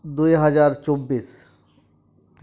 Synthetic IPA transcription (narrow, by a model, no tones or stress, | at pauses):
d̪ujɦɐd͡ʒaːɾt͡ʃobiːs